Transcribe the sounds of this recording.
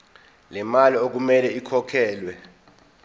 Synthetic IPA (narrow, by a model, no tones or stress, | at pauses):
lɛmaliok̬umɛlɛikʰɔkʰɛːlwɛ